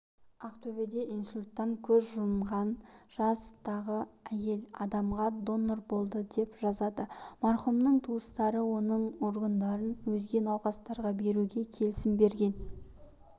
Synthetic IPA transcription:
ɑqt̪ʰɵbed̪e̞insulʲt̪ːɑŋkʲʰɵzʒʊmʁɑnʒ̥ɑst̪ʰɑʁəæje̞lɑd̪ɑmʁɑd̪o̞nːorbo̞lˠd̪əd̪e̞pʒ̥ɑzɑd̪əmɑɾχumnəɴt̪ʰuəst̪ɑɾəwo̞nəɴo̞ɾɡand̪ɑɾənwɵzɡ̪ʲe̞nɑwqɑst̪ɑɾʁɑbe̞ɾuɡʲe̞kʲʰe̞lɪsɪmbe̞ɾɡʲe̞n

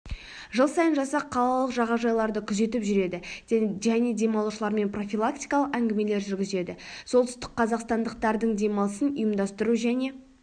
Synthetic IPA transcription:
ʒəlˠsɑjənʒɑsɑqʰːɑlˠɑlˠəqʒɑʁɑʒɑjlˠɑɾd̪əkʲʰʏze̞t̪ɪpʒʏɾe̞d̪ɪʒæne̞d̪e̞mɑlˠuʃəlˠɑɾme̞npro̞fʲilˠak̚t̪ʲijkɑlˠəqæŋɡʲɪme̞le̞ɾʒʏɾɡʲɪze̞d̪ɪso̞lˠt̪ʏ̥st̪ɪ̥k̚qʰːɑzɑqst̪ɑnd̪əq̚t̪ɑɾd̪əɴd̪e̞mɑlˠəsənʊjəmd̪ɑst̪əɾuʒæne̞

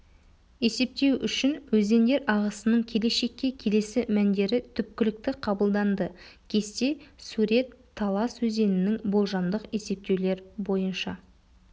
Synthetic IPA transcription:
e̞se̞p̚t̪e̞wʏʃɪnwɵze̞nd̪e̞ɾɑʁəsənəɴkʲʰe̞le̞ʃe̞kʲːe̞kʲʰe̞le̞sɪmænd̪e̞ɾɪt̪ʰʏp̚kʲɪlɪk̚t̪ɪqʰɑbəlˠd̪ɑnd̪ə | kʲʰe̞st̪e̞suɾe̞t̪ʰːɑlˠɑswɵze̞nɪnɪŋbo̞lˠʒɑnd̪əqe̞se̞p̚t̪e̞wle̞ɾbo̞jənʃɑ

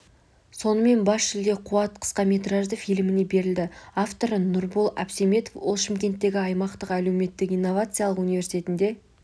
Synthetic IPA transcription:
so̞nəme̞nbɑsʃɪld̪eqʰuɑt̪qʰə̥sqɑme̞t̪raʒd̪əfilmɪne̞be̞ɾɪld̪ɪaft̪o̞ɾənʊɾbolˠɑ̰pseme̞t̪ofwolˠʃɪmkʲe̞nt̪ːe̞ɡʲɪɑjmɑqt̪əqæle̞wme̞t̪ːɪkijnːo̞vat̪sɨjalˠəqunijvʲe̞ɾsit̪ʰʲe̞t̪ɪnd̪e̞

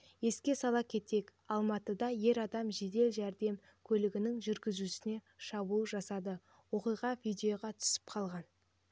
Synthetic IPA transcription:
je̞skʲe̞sɑlˠɑkʲʰe̞t̪e̞kɑlˠmɑt̪əd̪ɑje̞ɾɑd̪ɑmʒe̞d̪e̞lʒæɾd̪e̞m | kʲʰɵlɪɡʲɪnɪŋʒʏɾɡʲɪzusɪne̞ | ʃɑbulˠʒɑsɑd̪ə | wo̞qijʁɑvijd̪ʲe̞jo̞ʁɑt̪ʰʏ̥sɪ̥p̚qʰɑlˠʁɑn

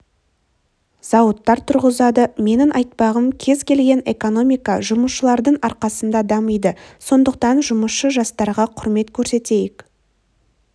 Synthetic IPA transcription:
zɑwət̪ːɑɾt̪ʰʊɾʁəzɑd̪əme̞nɪŋʔɑjt̪̚pɑʁəmkʲʰe̞zkʲʰe̞lɡʲe̞ne̞̰ko̞no̞mijkɑʒʊməsʃəlˠɑɾd̪əɴɑɾqɑsənd̪ɑd̪ɑməjd̪əso̞nd̪əq̚t̪ɑnʒʊməsʃəʒɑst̪ɑɾʁɑqʰʊɾme̞t̪kʲʰɵɾse̞t̪e̞jɪk

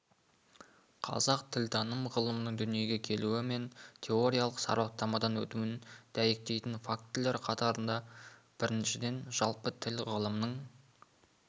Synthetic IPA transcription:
qʰɑ̰zɑqt̪ʰɪlt̪ʰɑnəmʁəlˠəmənəɴd̪ʏnije̞ɡʲe̞kʲʰe̞luwɪme̞nt̪ʲʰe̞o̞ɾijaɑlˠəqsɑ̰ɾwɑt̪ːɑmɑd̪ɑnwɵt̪uɪnd̪̥æje̞k̚t̪e̞jt̪ɪnfak̚t̪ʰːɪld̪eɾqʰɑt̪ɑɾənd̪ɑ | b̥ɪɾɪnʃɪd̪e̞nʒɑlˠpət̪ʰɪlʁəlˠəmnəɴ

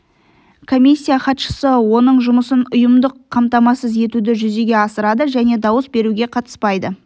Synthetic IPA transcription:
kʰo̞mʲisʲːijaχɑt̪ʃə̥səwo̞nəɴʒʊməsənʊjəmd̪əqʰːɑmt̪ɑmɑsəze̞t̪ud̪ɪʒʏze̞ɡʲe̞ɑsəɾɑd̪əʒæne̞d̪ɑwəsbe̞ɾuɡʲe̞qʰɑt̪ə̥spɑjd̪ə

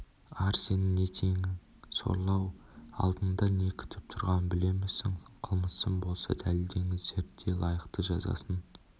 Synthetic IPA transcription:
ɑɾse̞nɪnet̪ʰe̞ŋɪ | so̞̰ɾlˠɑwɑ̰lˠd̪ənd̪ɑne̞kʲʰɪ̥t̪ʰɪp̚t̪ʰʊɾʁɑnbɪle̞mesɪŋqʰəlˠməsəmbo̞lˠsɑ̰d̪æld̪e̞ŋɪzːe̞ɾt̪ːe̞lˠɑjəqt̪əʒɑ̰zɑ̰sən

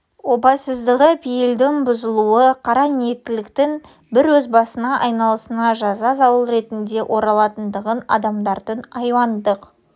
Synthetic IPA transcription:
wo̞bɑsəzd̪əʁəpʰijɪld̪ɪŋbʊzəlˠuəqʰɑɾɑniet̪ːɪlɪkt̪ɪŋ | bɪɾwɵzbɑsənɑʔɑjnɑlˠəsənɑʒɑzɑzɑwəlˠɾe̞t̪ɪnd̪e̞ʔo̞ɾɑlˠɑt̪ənd̪əʁənɑ̰d̪ɑmd̪ɑɾd̪ənɑjwɑnd̪əq

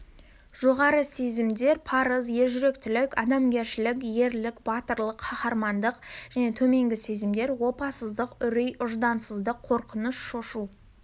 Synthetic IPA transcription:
ʒ̥o̞ʁɑɾəse̞zɪmd̪e̞ɾpʰɑɾəzje̞ɾʒʏɾe̞kt̪ɪlɪkʲɑd̪ɑmɡʲe̞ɾʃɪlɪkʲje̞ɾlɪkbɑt̪əɾlˠəqʰːɑχɑɾmɑnd̪əqʒ̥æne̞t̪ʰɵme̞ŋɡʲɪse̞zɪmd̪e̞ɾwo̞pɑsəzd̪əqʏɾijʔʊʒd̪ɑnsəzd̪əqʰːo̞ɾqənəsʃo̞ʃu

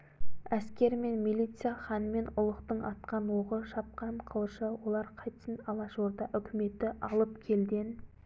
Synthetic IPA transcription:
æskʲe̞ɾme̞nmilijt̪sɨjaχɑnəme̞nʊlˠəqt̪əɴɑt̪qɑnwoʁəʃɑp̚qɑɴqʰəlˠʃəwo̞lˠɑɾqʰɑjt̪ə̥sənɑlˠɑʒoɾd̪ɑʔʏkʲɪme̞t̪ɪʔɑlˠəpkʲʰe̞lɡ̪ʲen

